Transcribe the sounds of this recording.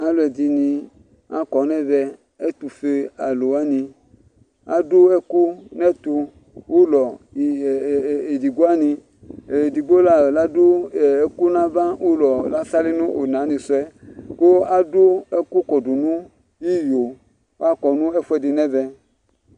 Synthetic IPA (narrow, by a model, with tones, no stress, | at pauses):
a˦lo˨ɛ˨di˧nĩ˧ | a˦kɔ˨nɛ˦vɛ˧ | ɛ˦t̪u˨fe˧a˨lo˨a˦nĩ˧ | a̰˦do˦ɛ˦ku˦nɛ˦t̪u˧ | wu˦lɔ˨ | e˨di˨ɡo˦a˦nĩ˧˨ | di˨ɡ͡bo˦la˦˨la˦do˦˨˦ku˦nã˦va˦wu˦lɔ˨la˦sa˦li˦nũ˦ʔo˨nã˨˦nĩ˧su˦ɛ˦ko˦a˦du˦ɛ˦ku˦kɔ˨du˨nũ˦ | ji˦jo˨˦ | a˦kɔ˨nũ˦ɛ˦fu˦ɛ˨dɪ˧nɛ˦vɛ˧